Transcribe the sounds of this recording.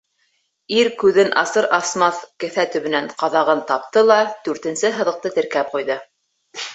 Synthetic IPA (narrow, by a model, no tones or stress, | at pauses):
iɾkʉðɘnʔɑsɤɾʔɑsmɑθkɘ̆θæt̪ɵ̆βɘ̆næɴqɑðɑʁɤnt̪ɑp̚t̪ɤlˠɑd̪̥ʉɾt̪ɘ̆nsɘɦɤ̆ðɤ̆q̚t̪ɤt̪ɘ̆ɾkæp̚qujðɤ